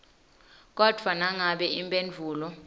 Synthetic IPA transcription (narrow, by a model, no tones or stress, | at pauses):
k̬ʼɔd̥ʱwanaŋaɓɛimpʼend͡ɮʱuːlɔ